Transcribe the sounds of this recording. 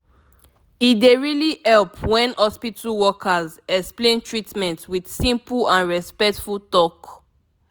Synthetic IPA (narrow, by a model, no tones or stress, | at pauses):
ideɹilihɛlpʰwɛ̃nhɔspitʰəwɔkʰazɛksplẽntɹitmɛ̃ntwid̥sĩmplãnɹɛspɛk̚tfultɔk